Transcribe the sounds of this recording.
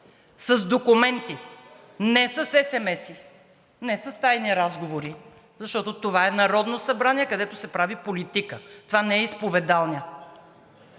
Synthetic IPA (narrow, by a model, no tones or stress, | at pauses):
sɐzd̪okʊmɛnt̪i | nɛsɐsɛsɛmɛsi | nɛsɐst̪ajniɾazɡovoɾi | zɐʃt̪ɔt̪ot̪ovaɛnɐɾɔd̪nosɐbɾaniɛkɐd̪ɛt̪osɛpɾavipolit̪ikət̪ovanɛɛispovɛd̪alˠniə